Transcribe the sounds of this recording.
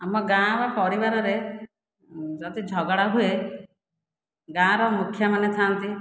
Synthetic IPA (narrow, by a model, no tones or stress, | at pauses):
amɔɡãbapɔɾibaɾɔɾe | d͡ʒɔt̪id͡ʒʱɔɡɔɽaɦue | ɡãɾɔmukʰːjɔmanet̪ʰant̪i